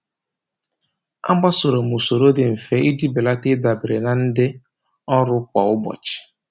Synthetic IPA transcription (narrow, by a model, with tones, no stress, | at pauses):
a̰˦ɡ͡ba˦so˨ɾo˨m˨u˨so˨ɾo˦dɪ˨m̩˨fe˦ʔi˦d͡ʒi˦bɪ˨la˦tɪ˦da˨bɪ˨ɾe˨na˨n̩˦dɪ˦ | ɔ˦ɾʊ˦kʷa˨ʊ˦bɔ̰˨t͡ʃɪ̥˨